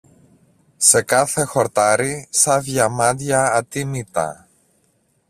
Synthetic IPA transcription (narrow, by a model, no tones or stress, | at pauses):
se̞kɐθe̞xo̞ɾt̪ɐɾisɐvʝɐmɐnd̪ʝɐːt̪imit̪ɐ̰